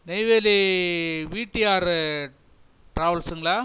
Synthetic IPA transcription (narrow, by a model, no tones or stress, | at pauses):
nɛɪʋeːli | ʋiːʈːiaːɾ | ʈɾaːʋɐlsɯŋɡɐɭaː